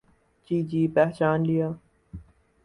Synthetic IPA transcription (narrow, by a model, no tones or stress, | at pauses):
d͡ʒiːd͡ʑiːpɛɦt͡ʃaːnlijaː